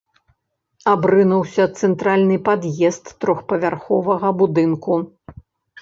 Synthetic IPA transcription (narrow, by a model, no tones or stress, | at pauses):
abɾɨnuwsʲɐt̪sɛnt̪ɾalʲnɨpad̪jɛst̪ːɾɔxpɐvʲarxɔvɐɣɐbud̪ɨnku